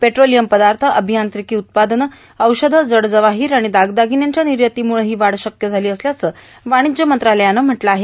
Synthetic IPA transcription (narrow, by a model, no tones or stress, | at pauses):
peʈɾolijəmpəd̪aɾt̪ʰəʔəbʱijant̪ɾikiːut̪̚pad̪ən | əwɕəd̪ʱəd͡zəɽd͡zəʋaɦiːɾaɽ̃id̪aɡd̪aɡinjaɲt͡ɕjaniɾjət̪iːmuɭɦiːʋaɽɕəkjəd͡zʱaliːəsljat͡səː | ʋaɽ̃id͡ʑjəmənt̪ɾaləjanam̤əʈlaaɦe